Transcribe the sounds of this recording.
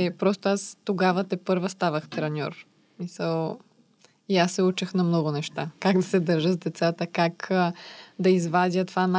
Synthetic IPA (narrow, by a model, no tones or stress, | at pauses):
ɛpɾɔst̪oast̪oɡavət̪ɛpɤɾvəst̪avəxt̪ɾɛnʲɔ̰ɾ | smisəlˠ | iasːɛut͡ʃəxnɐmnɔɡʊnɛʃt̪akaɡd̪ɐsɛd̪əɾʒəzd̪ɛt̪sat̪əkak | d̪ɐizvad̪ʲjət̪vana